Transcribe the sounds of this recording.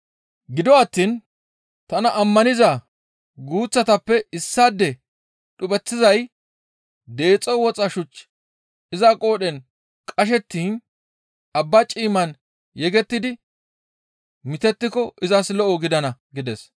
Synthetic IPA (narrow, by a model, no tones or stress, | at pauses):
ɡɪd̪ɔɐt̪ːiːn | t̪ɐnɐʔɐmːɐnɪza | ɡuːt͡sːɐt̪ɐpːɛɪsːaːd̪ːɛ | ɗʊbɛt͡sːɪzɐj | d̪e̞ːt͡sʼːɔwɔt͡sʼɐʃʊt͡ʃː | ɪzɐkʼo̞ːɗɛn | kʼɐʃ̬ɛt̪ːiːn | ɐbːɐt͡ʃʼiːmɐn | jɛɡɛt̪ːɪd̪ɪ | mɪt̪ɛt̪ːɪkɔʔɪzɐslɔʔɔɡɪd̪ɐnɐɡɪd̪ɛs